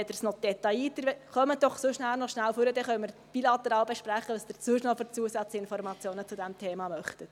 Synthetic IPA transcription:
ɛd̪əɾsnɔd̪̥ɛtɑiːt̪ːəɾχœməd̥ɔχsoʃnælnɔʃnælføɾəd̪ɛχœʏməɾpilɑt̪ːeɾɑːlbeʃpɾæχəəsd̥̪əɾt͡suːʃnɔføɾt͡suəsæt͡sləɪnfɔɾmɑt͡sjoːnət͡sud̪ɛmtʰeːmɑmœχt̪ət

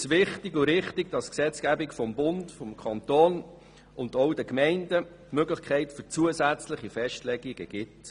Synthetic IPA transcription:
sʋɪχtɪɡʊɾɪχtɪɡd̥ɑsksɛt͡sɡ̥æbɪkfɔmbʊnd̥fɔmkʰɑnt̪oːn | ʊntɔʊdəkmɛɪndə | tmøɡləχkʰɛɪtfʏɾt͡suəsæt͡sləχifɛʃtlɛɡiɡ̥əɡ̥ɪt

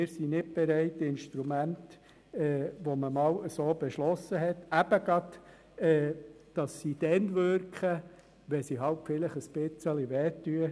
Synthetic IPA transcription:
ɪɾsinɪt̚b̥ɛɾɛɪtːɪnʃtɾumænt | ɛːʋoməmɑːwəsoːb̥ɛʃlɔsːəɦɛt̪æb̥əɡ̥ɾɑt | ɛː | d̥ɑsːid̥ɛnʋøɾkχə | ʋɛsiɦɑwpfɪləχəspɪt͡səliʋɛtːyə

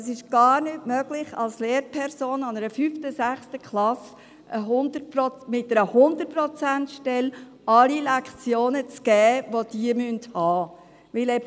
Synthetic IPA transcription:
əs̬ɪʃɡ̥ɑːɾnʏtmœɡ̥lɪχɑ̰lsleːɾpʰɛɾsoːnɑnəɾəfyftəsæχstəkχlɑs | ʔəɦʊndəpɾɔmɪtəɾəhʊnd̪əpɾɔt͡sæntʃtɛl | ɑlilɛkt͡sjoːnət͡sɡ̥ɛːʋod̥iəmynthɑː | ʋɪlɛ

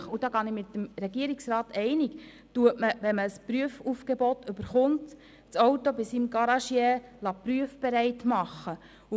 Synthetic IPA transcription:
χud̥ɑːɡɑnɪmɪt̪əmɾɛɡiəɾiksɾɑːtɛɪnɪk | tuəʔməʋɛnməspɾyəfufɡ̥ɛbɔtʏbəɾχʊnt | t͡sɔwtobisimɡɑɾɑʃjɛːlɑpɾyəfb̥ɛɾɛɪtmɑχːə | u

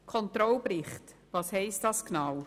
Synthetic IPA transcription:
kʰɔnt̪ɾɔlbɾɪχtvɑshɛɪstd̥ɑsknaw

